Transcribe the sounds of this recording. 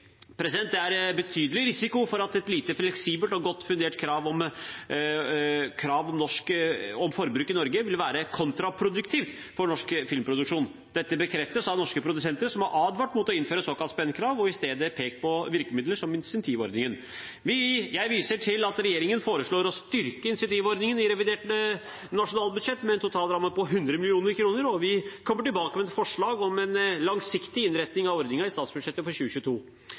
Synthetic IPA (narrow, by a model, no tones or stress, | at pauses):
pʰɾɛsɪd̪ɛnt̪̚d̪ɛæɾbət̪ʰyːd̪əlɪɾɪsɪkʊfɔɾɑt̪ɛt̪liːt̪əflɛksiːbəlt̪ɔɡɔt̪ːfʉnd̪eːʈkʰɾɑːʋɔm | kʰɾɑːʋɔmnɔʂkɔmfɔɾbɾʉkːɪnɔɾɡəʋɪlʋæːɾəkʰɔnt̪ɾɑpʰɾʊd̪ʉkt̪ʰiːft̪ | fɔɳɔʂkfɪlmpʰɾʊd̪ʉkʂuːn | d̪ɛt̪ːəbəkʰɾɛft̪əsɑd̪nɔʂkəpʰɾʊd̪ʉsɛnt̪əɾsɔmhɑɾʔɑːd̪ʋɑʈːmuːt̪ːɔɪnføːɾəsoːkɑlt̪spɛnːəkʰɾɑːʋɔɪst̪eːd̪əpʰeːkt̪̚pʰɔʋɪɾkəmɪd̪ləʂɔmɪnsɛnt̪ʰiːʋɔ̰ɾd̪nɪŋən | ʋɪjæɪʋiːsəʈʰɪlɑt̪ɾɛjeːɾɪŋənfoːɾəʂɭoːɾɔst̪ʏɾkəɪnsɪɑnt̪ʰiːʋɔɾd̪nɪŋənɪɾɛʋɪd̪eːʈə | nɑʂʊnɑːlbʉd̪ʂɛt̪ːmɛɛnt̪ʊt̪ʰɑːlɾɑmːəpɔɦʉnd̪ɾəmɪlɪuːnəɾkʰɾuːnəɾɔʋɪkʰɔmːəʈɪlbɑːkəmɛɛt̪fɔʂɭɑːɡɔmɛnlɑŋsɪkt̪ɪɪnɾɛt̪nɪŋɑʋɔɾd̪nɪŋɑɪst̪ɑːt̪sbʉd̪ʂɛt̪ːəfɔɾɕʉːəçʉːət̪ʰuː